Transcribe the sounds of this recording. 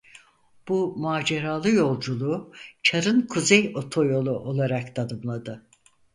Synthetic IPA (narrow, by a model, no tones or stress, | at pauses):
b̥umaːd͡ʒe̞ɾaːlˠɯjo̞lˠd͡ʒulˠut͡ʃʰaɾɯnkʰuzejo̞t̪ʰo̞jo̞lˠuʔo̞lˠaɾakt̪ʰanɯmlˠad̪ɯ